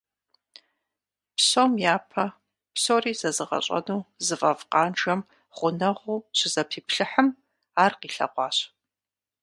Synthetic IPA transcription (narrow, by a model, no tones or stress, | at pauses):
pɕomjaːpʰɐ | psoriːzɐzɨʁɐ̰ɕʼɐ̰nuːzɨfʼɐ̰vqɑːnʈ͡ʂɐm | χʷʊnɐʁʷuːɕɪzɐpʰiːpʰɬɨħəm | aːrqiːɬɐ̰qʷɑːɕ